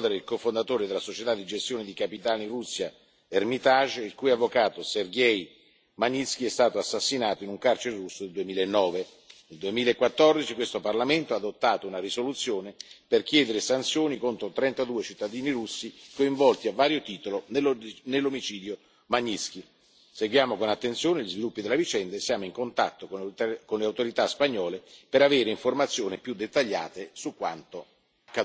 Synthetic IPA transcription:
d̪eɾeilkofond̪at̪oːɾed̪elasot͡ʃet̪ad̪id͡ʒest̪joːned̪ikapit̪aːnirusːja | ermit̪aʒilkuːjavːokaːt̪oserɡɛj | maɲːisk̟iɛst̪aːt̪oasːasːinaːt̪oinuŋkart͡ʃeɾerusːod̪eld̪uemiːlaenːɔːve | neld̪uemiːlaekːwat̪ːɔrd̪it͡ʃikwest̪oparlament̪oad̪ot̪ːaːt̪ounarisolut̪sːjoːneperk̟jɛːd̪eɾesant̪sjoːnikont̪ɾot̪ɾɛnt̪ad̪uːet͡ʃit̪ːad̪iːniɾusːikoiɱvɔlt̪iavːaːɾjot̪iːt̪olonnelːomit͡ʃiːd̪jo | maɲːisk̟i | seɡwjaːmokonat̪ːent̪sjoːneʎizvilupːid̪elːavit͡ʃɛnd̪aesjaːmoiŋkont̪a̰t̪ːokokonleawt̪oɾit̪aspaɲːɔːlepeɾaveːɾeiɱformat̪sːjoːnipjud̪ːet̪ːaʎːa̰ːt̪esukːwa̰nt̪o | akːa

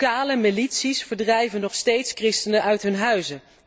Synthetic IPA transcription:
aːləmilitsisfəɹdrɛjvənɔχstejtskrɪstənəʔœɥtɦɵnɦœɥzə

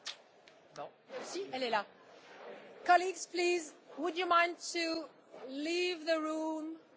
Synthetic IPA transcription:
siɛlɛla | kɑliɡz̥plizwədjəmãɪ̃ntʰu | livðəɹũm

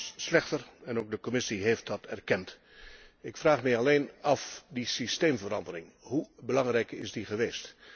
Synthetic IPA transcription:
slɛχtərɛnoːk̚dəkomɪsiɦejft̚dɑtɛrkɛnt | ɪkfraːχmɛjɑlejnɑfdisistejmvəɾɑndəɾɪŋɦubəlɑŋrɛjkɪ̰zdiχəʋejst

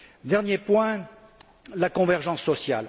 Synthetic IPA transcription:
d̪ɛʁnjepwɛ̃ | lakɔ̃vɛʁʒɑ̃sːɔsja̰l

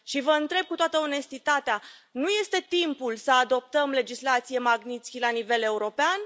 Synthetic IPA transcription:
ʃivəɨnt̪ɾe̞b̚kut̪oat̪əone̞st̪it̪at̪eanuje̞st̪e̞t̪impulsəad̪o̞p̚t̪əmle̞d͡ʒislat̪sije̞maɡnit̪skʲilanive̞le̞uɾo̞pean

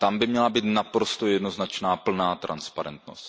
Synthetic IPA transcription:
t̪ambɪmɲɛlabiːt̪napɾo̞st̪o̞jɛdno̞znat͡ʃnaːpl̩naːt̪ɾa̰nspaɾɛ̰nt̪no̞̰st̪

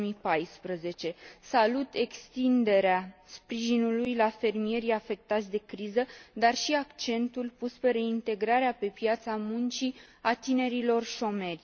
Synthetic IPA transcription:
mipajspɾəze̞t͡ʃe̞salut̪e̞kst̪ind̪e̞ɾeaspɾiʒinulujlafe̞rmije̞ɾijafe̞k̚t̪at̪sʲd̪e̞kɾizəd̪arʃiakt͡ʃe̞nt̪ulpuspe̞ɾe̞int̪e̞ɡɾaɾeape̞pjat̪samunt͡ʃiat̪ine̞ɾilo̞rʃo̞me̞rʲ

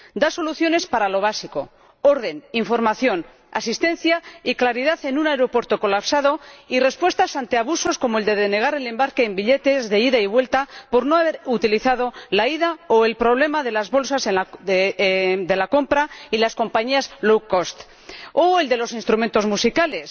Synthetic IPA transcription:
d̪aso̞luθjo̞ne̞spaɾalo̞β̞asiko̞ | o̞ɾðe̞niɱfo̞ɾmaθjo̞n | a̰sist̪e̞nθjaiklaɾiðaθe̞nunaeɾo̞pwe̞ɾt̪o̞ko̞lapsað̞o̞ire̞spwe̞st̪asant̪eaβ̞uso̞sko̞moeld̪e̞ðene̞ɣ̞aɾe̞le̞mbaɾke̞ːmbiʎe̞t̪e̞zðe̞iðaiβ̞we̞lt̪apo̞ɾno̞aβe̞ɾut̪iliθað̞olaiðaoe̞lpɾo̞β̞le̞maðe̞lazβo̞lsasena | d̪e̞lako̞mpɾailasko̞mpaɲiazlowkost̪ | oe̞ld̪e̞lo̞sinst̪ɾument̪o̞zmusikale̞s

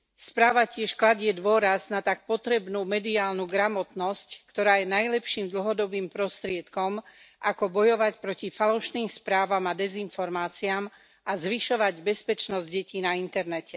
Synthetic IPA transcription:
spɾaːʋacɪɛʃklaɟɪɛd̪ʊɔɾaznat̪ak̚pɔt̪ɾɛbnuːmɛd̪iaːlnuːɡɾamɔt̪nɔsckt̪ɔɾaːjɛnajlɛpʃiːmd̪l̩ɦɔd̪ɔbiːmpɾɔst̪ɾɪɛt̪kɔmʔakɔbɔjɔʋacpɾɔcifalɔʃniːmspɾaːʋamad̪ɛzinfɔɾmaːt͡siam | azʋiʃɔʋaɟbɛspɛt͡ʃnɔzɟɟɛciːnaint̪ɛɾnɛcɛ

